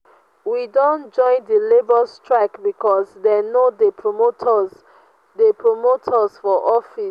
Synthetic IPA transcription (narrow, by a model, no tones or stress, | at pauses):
widõnd͡ʒɔ̃ɪ̃ndəlebɔstɹakbikɔzdɛnodepʰɹomotʰz | depʰɹomotʰɔsfɔʔɔfis